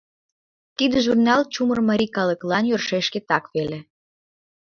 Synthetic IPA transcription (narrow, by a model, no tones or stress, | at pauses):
t̪id̪əʒurnɑlt͡ɕumərməɾʲikɑlə̆klɑnjørʃeʃket̪ɑkβele